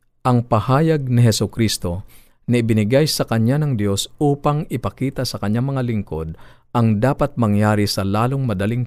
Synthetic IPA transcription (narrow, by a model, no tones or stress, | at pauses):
ʔɐŋpɐhaːjɐɡ̚nɪɦɛsʊkɾist̪o̞ | nɐɪbɪnɪɡajsɐkɐɲːanɐŋd̪jo̞sʔuːpɐŋɪpɐkiːt̪ɐsɐkɐɲːaŋmɐŋalɪŋko̞d̪̚ | ʔɐŋd̪aːpɐt̪̚mɐŋjaːɾisɐlaːloŋmɐd̪ɐliŋ